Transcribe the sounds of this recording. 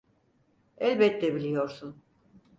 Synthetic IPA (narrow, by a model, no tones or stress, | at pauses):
ɛlʲbɛt̪ːɛbilʲijo̞ɾsun